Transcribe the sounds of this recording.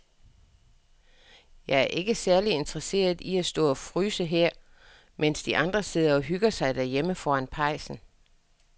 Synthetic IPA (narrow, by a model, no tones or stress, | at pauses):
jɑ̈ɪæɐʔe̝ɡ̥əsæɐlie̝nd̥ʁɐse̝̰ːɐð̞ˠiæsd̥ɔ̰̽ːɒ̽fʁyːsəɦeɐ̰ | men̰sd̥iʔɑ̈nd̥ʁɐse̝ð̞̰ˠɐɒ̽ɦyɡ̥ɐsɑ̈ɪd̥æɐjeməfɒːænpʰɑ̈ɪ̰sn̩